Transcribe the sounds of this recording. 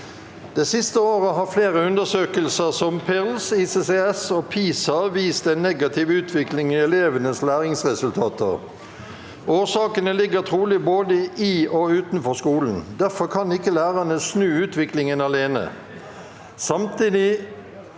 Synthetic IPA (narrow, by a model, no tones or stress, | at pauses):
d̪̥ɛsɪst̪əoːʁəɦɑːfleːʁəʉnd̪əsøːkəlsəʁsɔmpʰɛʁlsiːseːseɛsoːpʰiːsɑʋiːst̪ɛnːɛɡɑt̪ʰɪʋʉːt̪ʰʋɪklɪŋiɛleːʋənəslæːʁɪŋsʁɛsʉlt̪ʰɑːt̪ə̰ʁ | ʔoːsɑːkənəlɪɡət̪ʰʁuːlɪboːd̪əiɔʉːt̪nfɔʁskuːln̩d̪æfɔʁkʰɑnɪkːəlæːʁɑnəsnʉːʉːt̪ʰʋɪklɪŋənɑleːnə̰ | sɑmt̪iːd̪ɪ